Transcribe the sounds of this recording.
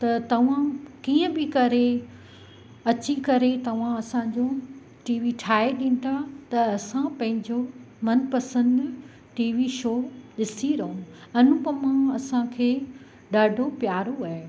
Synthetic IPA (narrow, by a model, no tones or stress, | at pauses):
t̪ɐt̪ɐʋ̤ãkiːə̃bɪkɐɾe | ɐt͡ɕikɐɾet̪ɐʋ̤ãɐsãɲd͡ʑo | ʈiːʋiʈʰaːeɗɪnɪt̪ʰat̪ɐɐsãpɐ̃ɦɪ̃ɲd͡ʑo | mɐnpɐsə̃nd̪ | ʈiːʋiʃoːɗɪsiɾɐɦũɐnũpɐmãɐsãkʰeː | ɗaːɖʱopjaːɾoaːɦe